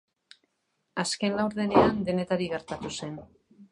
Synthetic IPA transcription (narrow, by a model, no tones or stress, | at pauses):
aske̞nlawɾðe̞ne̞and̪e̞ne̞t̪aɾiɣe̞ɾt̪at̪use̞n